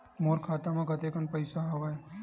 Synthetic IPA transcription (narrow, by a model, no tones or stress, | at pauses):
moːɾkʰaːt̪amãkɐt̪eːkəɳpɐɪsaɦɐʋae